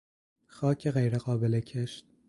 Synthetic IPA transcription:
xɒːcʰeɣejɾeɣɒːbelecʰeʃt̪̚

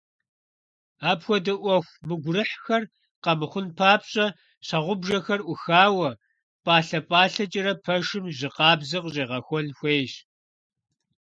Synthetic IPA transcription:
aːpxʷɔdɨʔʷɔxʷmɨɡʷʊrɨħxɐr | qɐmɨχʷʊnpʰaːpɕʼɐ | ɕɐʁʷʊbʒɐxɐrʔʷʊxaːwɐ | pʼaːɬɐpʼaːɬɐt͡ʃʼɪɾɐpʰɐʂɪmʑɪqɑːbzɨqɕʼeːʁɐxʷɔnxʷeːɕ

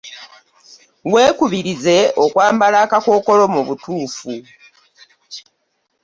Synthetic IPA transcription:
we̞ːkuβiɾize̞okwaːmbalakako̞ːko̞lo̞muβutuːfu

